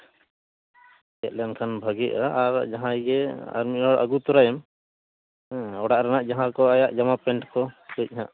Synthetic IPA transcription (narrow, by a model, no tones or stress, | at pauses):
ɛʔ̪̚lɛnkʰanbʱəɡiʔaʔːɾd͡ʒaɦãjɡɛa̰ɾmiɔɽʔa̰ɡut̪ɔɾajɛm | ɔɽaʔɾanaʔd͡ʒaɦãkɔajaʔd͡ʒamapɛɳʈkɔɡɛc̚ˀhãʔ